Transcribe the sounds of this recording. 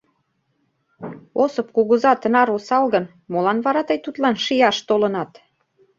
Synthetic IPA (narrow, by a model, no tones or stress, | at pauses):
osɤp̚kuɣuzɑt̪ənɑɾosɑlɣən | molɑnβɑɾɑt̪əjt̪ut̪lɑnʃijɑʃt̪olɤnɑt̪